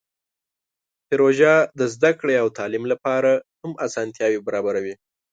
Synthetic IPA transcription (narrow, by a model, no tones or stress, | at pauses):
pɪɾoʒɑd̪əzd̪akɽeawt̪ɑlimlapɑɾahamasɑnt̪jɑwebaɾɑbaɾawi